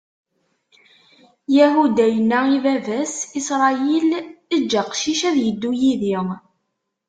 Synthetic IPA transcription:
jæɦud̪æjənːæivævæsisɾˤɑiləd͡ʒːæqʃiʃæðjəd̪ːujiði

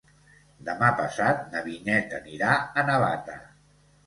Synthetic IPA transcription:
d̪əmapəsat̪̚nəβinɛt̪əniɾaənəβat̪ə̰

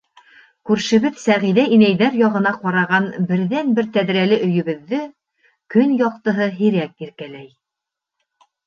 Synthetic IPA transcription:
kʉɾʃɘ̆βɘðsæʁiðæʔinæjðæɾjɒʁɤ̆nɑqɑɾɑʁɑnbɘ̆ɾðænbɘɾt̪æðɾælɘʔɵ̆jɵ̆βɘ̆ðːɘ | kɵnjɑq̚t̪ɤ̆ɦɤɦiɾækiɾkælæj

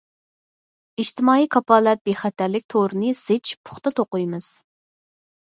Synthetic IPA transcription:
iʃt̪ɨmɑːikʰɑpɑːlˠɛt̪̚b̥eχɛt̪ʰːæɾlɪk̚ʲt̪ʰoɾɨnɨsɪt͡ʃpʰʊ̥χt̪ɑt̪ʰoqujmɨz̥

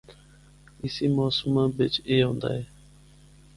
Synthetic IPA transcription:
ɪsiːmoːsmãːbɪt͡ʃeːɦõːnd̪a̰ːɦeː

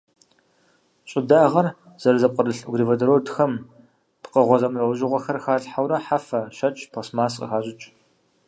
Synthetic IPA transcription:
ɕʼɪdaːʁɐr | z̥ɐɾɨzɐp̚qʷʼədɨɬɡrivɐdɐɾoːdxɐm | pqəʁʷɔzɐmrɐʑɪʁʷɐxɐrxaːɮħawɾɐħafɐʃɐt͡ʃʼpʰosmaːsqʼə̰xaːʑʼɪt͡ʃʼ

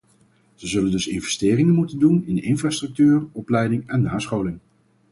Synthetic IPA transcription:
z̥əzɵləndɵsɪnvɛstɪːrɪŋənmutəndunɪnɪnfraːstrɵk̚tyːrɔplɛjdɪŋɛnːaːsχowlɪŋ

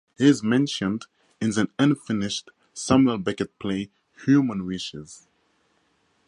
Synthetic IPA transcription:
hizmɛ̃nʃə̃nd | ɨ̃nzɨ̃nʌ̃nfɪnɪʃt | samləbɛkɨt̚pʰleɪ | hjʉmə̃nɹiʃɪz̥

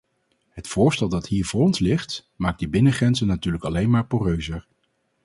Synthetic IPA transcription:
ɦətfʊːɹstɛlˠdɑtɦiːɹvʊːɹɔnslɪχt | maːɡ̚dəbɪnəχrɛnzənːatyːɹləkɑlejnmaːɹpuːrøɥzəɹ

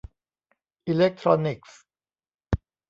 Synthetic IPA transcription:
ilɛk̚t̪ʰɾɔnɪks

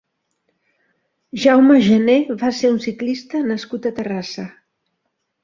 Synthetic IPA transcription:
ʒawməʒəneβaseɾunsiklist̪ənəskut̪ət̪ərasə

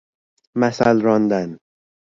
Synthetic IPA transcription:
mæsælɾɒnd̪æn

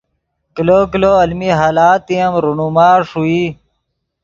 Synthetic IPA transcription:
kiloːkloːɐlmiɦaːlaːt̪iɐmɾunumaːʂui

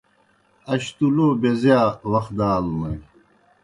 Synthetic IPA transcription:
ɐɕt̪uloːbezjaːwɐxd̪aːlmɐj

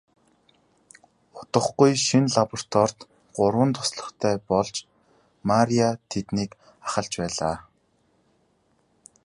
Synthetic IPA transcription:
ʊt̪ə̆χɡujʃinɮapɔr̥t̪ʰɔr̥t̪ | ɢʊrwə̆nt̪ʰʊ̥sɮə̆χt̪ʰæːpɔɮt͡ɕ | maɾiat̪ʰet̪niːk | aχə̆ɬt͡ɕpæːɮa̰ː

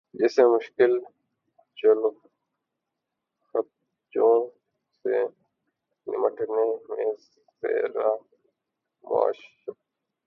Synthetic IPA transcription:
d͡ʒesẽːmʊʃkɪl | t͡ʃɐlo | xət̪̚ | d͡ʒoː | sḛ | nɪ̰məʈnemẽ | ḛːɾaː | ma̰ːʃ

